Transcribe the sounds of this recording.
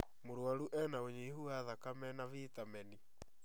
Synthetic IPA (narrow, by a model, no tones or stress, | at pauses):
moɾwaɾuʔɛnaoɲeihuaðakamɛnavitamɛni